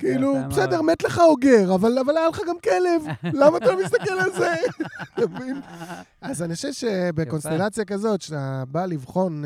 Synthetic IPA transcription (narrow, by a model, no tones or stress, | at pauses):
kiilupsedeʁmet̪leχao̞ɡe̞ʁavalavalajaleχaɡamkele̞vlamaːt̪alomist̪ake̞lalze̞avin | azaniχoʃevʃe̞beko̞nst̪elat͡sjakazo̞t̪ʃeabalivχo̞n